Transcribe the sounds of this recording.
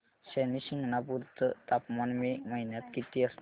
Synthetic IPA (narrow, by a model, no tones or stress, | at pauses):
sɛnisiŋɡnapuɾt̪t̪apmanmemɐɦinət̪kit̪iəs